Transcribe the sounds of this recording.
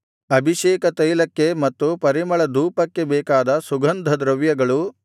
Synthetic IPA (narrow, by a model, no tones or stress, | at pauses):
ɐbʱiʃɛːkɐt̪ɐjlɐkːemɐt̪ːupɐɾimɐɭɐd̪uːpɐkːe̞bɛːkaːd̪ɐsuɡɐnd̪ʱɐd̪ɾɐʋjɐɡɐɭu